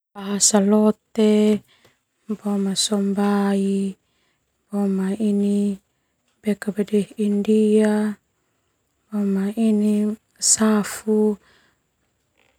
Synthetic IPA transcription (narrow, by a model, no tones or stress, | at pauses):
b̥aɦasalɔt̪e | mbɔmasɔmbai | bomaini | bekabadɛhindia | bomaini | safu